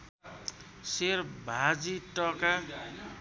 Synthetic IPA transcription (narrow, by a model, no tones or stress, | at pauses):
serbʱad͡ziʈʌka